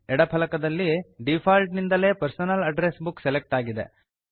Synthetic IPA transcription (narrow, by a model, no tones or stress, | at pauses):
ɛɽɐpʰɐlɐkɐd̪ɐlːiɖipʰaːlʈnind̪ɐle̞ːpɐɾsɐnɐlɐɖɾesbukselek̚ʈaːɡid̪ḛ